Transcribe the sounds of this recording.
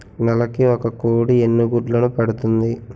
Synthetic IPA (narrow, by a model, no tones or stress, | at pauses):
nɐlɐkiɔkɐkoːɽienːuɡuːɖlɐnupɐɽut̪und̪i